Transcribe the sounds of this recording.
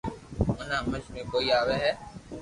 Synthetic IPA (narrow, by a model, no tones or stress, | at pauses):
ʊnãːməd͡ʒmẽːkoːiːaːʋeːɦɛː